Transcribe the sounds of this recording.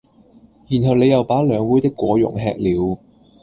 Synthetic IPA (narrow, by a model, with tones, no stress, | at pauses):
jiː˨˩nɦɵ˨wle˨˧jɐ˨˩wpaː˨˥lœː˨˧ŋwuː˨˥jt̪ɪ˥kːwɔː˨˧jʊ̰˨˩ŋɦɛː˧k̚liː˨˧w